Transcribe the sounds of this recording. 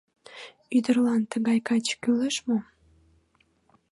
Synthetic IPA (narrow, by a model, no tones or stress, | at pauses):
yd̪ərlɑnt̪əɣɑjkɑt͡ɕkyləʃmo